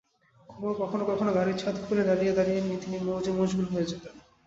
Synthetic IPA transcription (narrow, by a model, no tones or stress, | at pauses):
kʰɔboɾkɔkʰonokɔkʰonoɡʱaɾit͡ɕʰat̪ufʰuled̪aɾijed̪aɾijenːit̪inimod͡ʑemoʃbulɦoed͡ʑʰet̪an